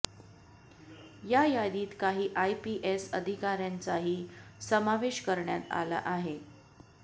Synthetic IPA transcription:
jajad̪iːt̪kaɦiːʔajpiʔesəd̪ʱikaɾjant͡saɦiːsəmaʋeɕkəɾɳjat̪a̰la̰ʔaɦe

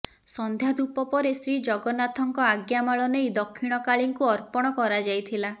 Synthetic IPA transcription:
sɔnd̪ʱjad̪upɔpɔɾesɾid͡ʒɔɡɔnat̪ʰɔŋkɔaɡjamaɭɔnejd̪ɔkʰːiɽ̃ɔkaɭiŋkuɔɾpɔɽ̃ɔkɔɾad͡ʒajt̪ʰila

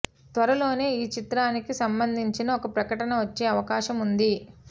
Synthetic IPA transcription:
t̪ʋɐɾɐlo̞ːne̞ːiːt͡ʃit̪ɾaːnikisɐmbɐnd̪ʱiɲt͡ʃinɐɔkɐpɾɐkɐʈɐnɐʋɐt͡ʃːe̞ːɐʋɐkaːʃɐmund̪i

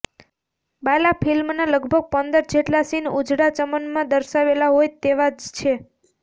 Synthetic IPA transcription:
balapʰilmnaləɡʱbʱəɡ̚pənd̪əɾd͡ʒeʈlasinud͡ʒɽat͡ʃəmənmãd̪əɾʃaʋelaɦojt̪eʋad͡ʒt͡ʃʰe

